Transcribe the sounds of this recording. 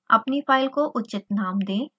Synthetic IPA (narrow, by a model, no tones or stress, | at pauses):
ɐpnipʰaːɪlkoʔʊtːʃɪt̪naːmd̪ẽː